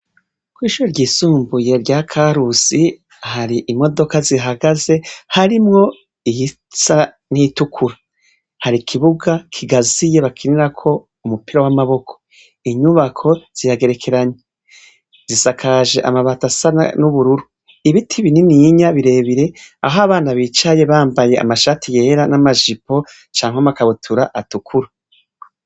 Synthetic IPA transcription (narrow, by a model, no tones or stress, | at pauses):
kwiːʃuɾoɾɟiːsuːmbuje̞ɾɟaːkʰaɾusi | haɾiʔimo̞do̞kaziɦaɡaze̞haɾimŋo̞ | ij | sa | nitukʰuɾa | haɾikʰiβuɡakʰiɡazije̞βakʰiniɾakʰo̞ | umupiɾawamaβo̞kʰo̥ | iɲuβakʰo̞z̥ijaɡe̞ɾe̞kʰe̞ɾaɲe | z̥isakʰaʒe̞ʔamaβatasaa̰nuβuɾuɾu | iβitʰiβininiɲaβiɾe̞ːβiɾe̞a̰ɦoaβaːnaβiːt͡ʃaje̞βaːmbaje̞ʔa̰maʃatijeɾanamaʒipo̞ | t͡ʃaːŋhamakaβutʰuɾaʔatukʰuɾa